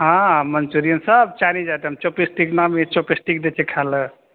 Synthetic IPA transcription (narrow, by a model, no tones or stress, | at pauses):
ɦãmənt͡ʃuɾijənsəb̚t͡ʃanid͡ʒat̪ɦəmt͡ʃopisʈiknamet͡ʃopisʈik̚d̪et͡ʃʰekʰalə